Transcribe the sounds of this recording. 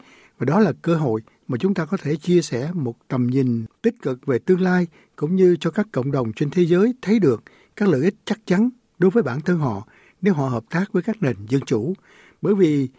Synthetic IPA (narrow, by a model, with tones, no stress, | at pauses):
vaː˨˩ɗɔ˨˦laː˨˩kəː˧ɦo̰˧˨j | maː˨˩t͡ɕʊ˨˦ŋ͡mt̪aː˧kɔ˨˦t̪ʰe˧˩t͡ɕi˧əsɛ˧˩mo˨˩t̚t̪ə˨˩mɲï˨˩ŋ̟t̪ï˦˥k̟̚kɨ˨˩k̚ve˨˩t̪ɨ˧əŋlaː˧j | kʊ̰˧˥ŋ͡mɲɨ˧t͡ɕɔ˧kaː˦˥kːə̰˧˨wŋ͡mɗə˨˩wŋ͡mt͡ɕe˧nt̪ʰe˨˦zəː˨˦jt̪ʰə˨˦jɗɨ˨˩ək̚ | kːaː˦˥k̚lə̰ː˧˨ʔi˦˥k̟̚t͡ɕa˦˥k̚t͡ɕa˨˦n | ɗo˨˦jvəː˨˦jɓaː˧˩nt̪ʰə˧nɦɔ̰˧˨ | ne˨˦wɦɔ̰˧˨ɦəː˨˩p̚t̪aː˦˥k̚vəː˨˦jkaː˦˥k̚ne˨˩nzə˧nt͡ɕu˧˩ | ɓəː˧˩jvi˨˩